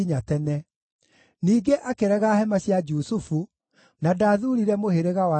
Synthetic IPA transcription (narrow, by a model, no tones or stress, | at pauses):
iɲatɛnɛ | niːɡeʔakeɾɛɣahɛmaɕjad͡ʒusufu | nadaːðuɾiɾɛmoheɾeɣawa